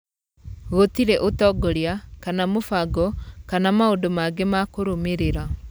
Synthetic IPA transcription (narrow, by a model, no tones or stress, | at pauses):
ɣotiɾɛʔotɔɡɔɾjakanamofaɡɔkanamaodomaɡemakoɾomeɾeɾa